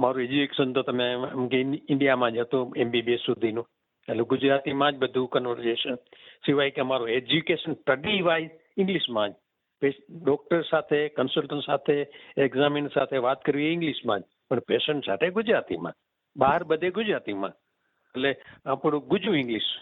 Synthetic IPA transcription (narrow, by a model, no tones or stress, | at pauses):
maːɾũed͡ʒukekeʃənt̪ot̪ɐmẽmkeɪ̃ɳɖijamãːd͡ʒət̪ũembibesʊd̪ʱinũː | əleɡʊd͡ʒɾaːt̪imãd͡ʒbəd̪ʱũkənʋəɾseːʃənsɪʋaːikemaːɾoed͡ʒukeːʃənʈəɖiʋaːi | ɪ̃ŋɡliʃmãːd͡ʒ | peɖɔːk̚ʈəɾsaːt̪ʰekənsəlʈənsaːt̪ʰeekzamɪnsa̰ːt̪ʰeʋaːt̪̚kəɾʋieɪ̃ŋɡliʃmãːd͡ʒ | pəɳpeːʃə̃ɳʈsa̰ːt̪ʰeɡʊd͡ʒɾaːt̪ḭmã̰ː | ɓaːɦəɾbəd̪ʱeɡʊd͡ʒɾaːt̪imã̰ː | əleapɽuɡʊd͡ʒuɪ̃ŋɡliʃ